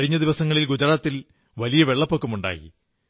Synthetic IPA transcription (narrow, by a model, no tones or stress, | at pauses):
ɻiɲːɐd̪iʋɐsɐŋːɐɭilɡud͡ʑɐɾaːt̪ːil | ʋɐlijɐʋe̞ɭːɐpːokːɐmuɳɖa̰ːjḭ